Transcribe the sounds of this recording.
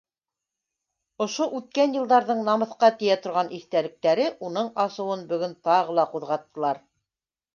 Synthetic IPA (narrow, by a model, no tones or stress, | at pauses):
ŏʃoʔʉt̪̚kænjɤ̆lˠd̪ɑɾðɤɴnɑmɤ̆θqɑt̪ɘ̆jæt̪ŏɾʁɑnʔiθt̪ælɘ̆k̚t̪æɾɘʔunɤɴɑsɤ̆wɤnbɵ̆ɡɵnt̪ɑʁɤ̆lˠɑquðʁɑt̪ːɤ̆lˠɑɾ